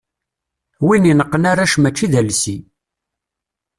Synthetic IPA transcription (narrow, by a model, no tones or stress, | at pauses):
wininəqːənaɾaʃmæt͡ʃːiðælsi